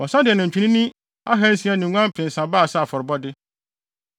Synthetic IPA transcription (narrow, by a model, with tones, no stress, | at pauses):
ɔ˨sã˦dɪ˨ɛ˨nʊ̃˨t͡ɕᶣʰĩ˨nĩ˦nĩ˦ | a˦ɦɛ̃˦n̩˦sĩ˦ã˦nɪ̃˨ŋʷ˦ã˦m̩˦pʰɪ̃˨n˨sã˨ba˦˨sa˦˨fɔ˨ɾɪ˨bɔ˦dɪ˦